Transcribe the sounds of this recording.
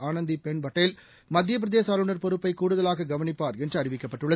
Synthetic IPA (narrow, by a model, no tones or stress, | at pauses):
aːnɐnd̪ipɛɳbɐʈːɐjɪl | mɐd̪ʱːjɐp̬ɪɾɐðeːsaːlɯɳɐɾpɔɾɯpːɐɪkuːɽɯðɐlaːɣɐɡɐʋɐnɪpːaːɾɛndrɯɐrɪʋɪkːɐpːɐʈːɯɭːɐ